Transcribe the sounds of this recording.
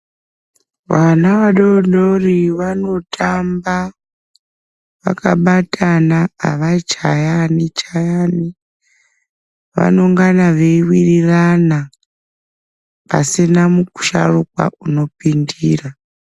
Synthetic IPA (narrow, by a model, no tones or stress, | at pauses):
ʋanaʋaɗoɗoriʋano̞tʰamba | ʋa̰kaɓatʰanaa̰ʋat͡ʃajanit͡ʃajani | ʋa̰no̞ŋɡanaʋeiwirirana | pa̰sinamuku̥ʃa̰rukwa̰ʔuno̞pindiːra